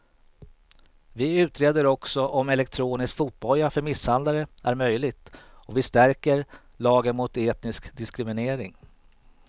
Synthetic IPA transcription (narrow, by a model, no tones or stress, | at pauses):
vɪʉ̟ːt̪ɾeːd̪əɾɔksɔʔɔmɛlɛk̚t̪ʰɾoːnɪskfuːt̪̚bɔlːafœɾmɪsːhand̪laɾəʔæɾmœjlɪɡ̚t̪ɔvɪst̪æɾkəɾ | lɑːɡənmʊt̪eːt̪nɪskd̪ɪskɾɪmɪneːɾɪŋ